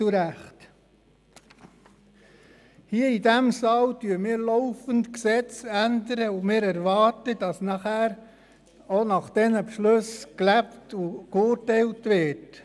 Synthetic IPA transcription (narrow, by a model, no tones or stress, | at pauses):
uɾæχt | hiəidæmsɑːltyːəmiːɾlɔʊfəntksɛt͡sændəɾəʊmɪːɾæɾʋɑːɾtəd̥ɑsnɑχæːɾ | onɑχd̥ɛnəpʃløsklæptukʊːɾtɛɪltʋɪt